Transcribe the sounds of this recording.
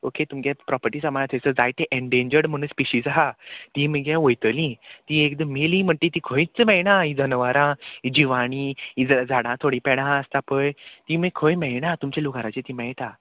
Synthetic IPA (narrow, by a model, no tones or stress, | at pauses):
oket̪umkjapɾɔpəɾʈiːsamant̪ʰəjsəd͡zajt̪eʔeɳɖeɲd͡ʑəɾɽm̤əɽ̃ũspiɕiːd͡zɦat̪imiɡjaʋojt̪əlĩt̪iekd̪əmelĩm̤əɳt̪it̪ikʰoĩt͡səmɛjnãɦĩd͡zənʋaɾãid͡ʑiʋaɽ̃iːid͡zd͡zaɽãt̪ʰoɽĩpɛɽãəst̪apəjt̪imikʰojmɛjnat̪umt͡ɕeluɡaɾat͡ɕet̪imɛjʈ̪a